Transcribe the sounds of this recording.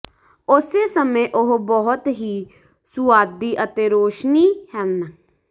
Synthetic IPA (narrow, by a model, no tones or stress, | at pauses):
ʊseːsəmẽːʔʊɦbɔɦʊt̪ɦiː | sʊaːd̪iːʔət̪eːɾoːʃniːhɛln